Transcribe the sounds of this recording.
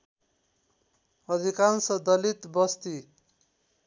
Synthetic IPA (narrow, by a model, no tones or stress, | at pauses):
ʌd̪ʱikansʌd̪ʌlit̪bʌst̪i